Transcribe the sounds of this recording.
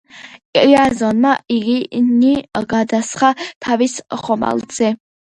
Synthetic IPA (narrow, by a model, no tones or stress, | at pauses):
kʼiazɔnmaiɡiniɡad̪asχat̪ʰavisχɔma̰lzɛ